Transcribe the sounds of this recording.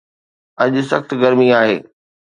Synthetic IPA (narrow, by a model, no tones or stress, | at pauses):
ɐʄʊsɐxt̪ɡɐɾmiaːɦḛː